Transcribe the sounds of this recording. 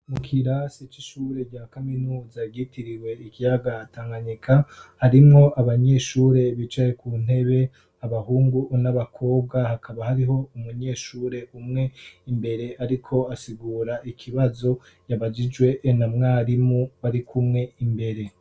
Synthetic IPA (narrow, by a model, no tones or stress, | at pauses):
mukʰiɾasit͡ʃiʃuːɾe̞ɟaːkaminuːzaɡitiɾiwe̞ikijaɡaːtaːŋɡaɲikʰahaɾimŋo̞ʔaβaɲe̞ːʃuːɾe̞βit͡ʃajekuːn̥e̞βe̞ | aβahuːŋɡunaβakʰo̞ːb̚ɡahakʰaβahaɾiɦo̞umuɲe̞ːʃuːɾe̞umŋe̞imbe̞ɾe̞ʔaɾikʰo̞asiɡuːɾaʔikʰiβazo̞ | jaβad͡ʒid͡ʒwe̞namŋaːɾimuβaɾikʰumŋe̞imbe̞ɾe̞